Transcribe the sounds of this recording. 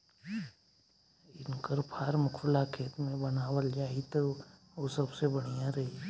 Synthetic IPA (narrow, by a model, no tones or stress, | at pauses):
ɪnkəɾpʰaːɾmʊkʰfəlakʰeːt̪mẽbɐnaːwəld͡ʒaːit̪o | ʋosɐbsebəɽ̃ijãɾɐɦi